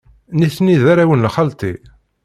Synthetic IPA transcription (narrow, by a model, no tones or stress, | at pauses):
niθniðaɾawənlχalt̪i